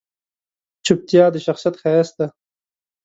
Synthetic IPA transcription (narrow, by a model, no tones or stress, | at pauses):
t͡ʃʰup̚t̪jaːd̪əʃaxsijɐt̪xast̪a